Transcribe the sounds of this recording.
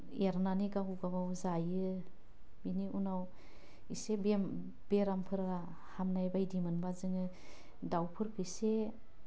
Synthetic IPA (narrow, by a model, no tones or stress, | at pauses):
eɾnaniɡaɡuɡabawzajɯ | biniunaw | isebe | b̥eɾampʰɯɾa | hamnajbajdimɯnbazɯŋɯ | dawpʰɯɾkʰɯse